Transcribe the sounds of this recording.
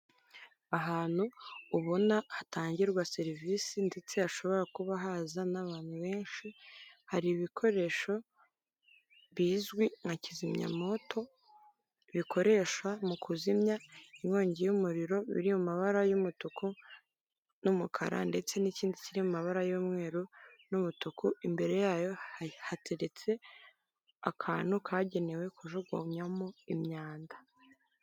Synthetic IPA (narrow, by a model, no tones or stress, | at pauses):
aɦaːn̥huːβo̞nahataːɲɟiɾɡwase̞ɾviːsinde̞t͡se̞haʃo̞βo̞ɾakuβaɦazanaβaːn̥huβe̞ːnʃihaɾiβikʰo̞ɾe̞ːʃo̞ | βiːzɡwiŋacizimɲa̰mo̞tʰo̞ | βikʰo̞ɾe̞ʃwamukʰuzimɲaimŋo̞ːɲɟejumuɾiɾo̞βḭɾimumaβaɾajumutuku | numukʰa̰ɾa̰nde̞t͡se̞niciːndiciɾimumaβaɾajomŋe̞ːɾunumutukuimbe̞ɾe̞jaːjo̞hatʰe̞ɾe̞t͡se̞ | akʰaːn̥hukʰaɟe̞ne̞we̞kuʒoɡwa̰mɲamoimɲaːndḁ